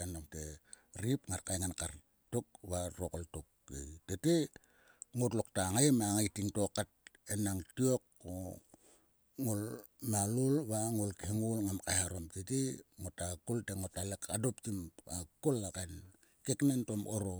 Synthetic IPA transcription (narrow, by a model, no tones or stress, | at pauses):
anomte | ɾipŋaɾkajŋankaɾ | tok̚βarokoltokː | ḛtete | ŋotlok̚taŋamaŋajtiŋtokat̚enaŋtiokːo | ŋol | malolβaŋolkeŋolŋamkajaɾomteteŋotakolteŋotalekʰadoptimakolakajn | keknentomoɾo